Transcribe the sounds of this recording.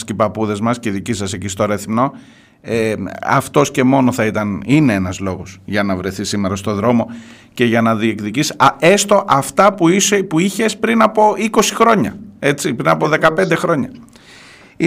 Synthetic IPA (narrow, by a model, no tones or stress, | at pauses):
scipɐpuðe̞zmɐsceiðicisɐsecist̪o̞ɾeθimno̞ | eɐ̰ft̪o̞sce̞mo̞no̞θɐit̪ɐnineenɐzlo̞ɣo̞sʝɐnɐvɾe̞θisimeɾɐst̪o̞ðɾo̞mo̞ | ce̞ʝɐnɐðiekðicisɐe̞st̪o̞ʔɐft̪ɐpuipuiçe̞spɾinɐpo̞iko̞sixɾo̞ɲɐe̞t͡sipɾinɐpo̞ðe̞kɐpe̞nd̪exɾo̞ɲɐ